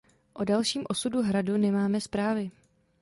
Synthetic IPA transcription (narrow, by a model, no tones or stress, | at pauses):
ʔo̞dalʃiːmʔo̞suduɦɾadunɛmaːmɛspɾaːvɪ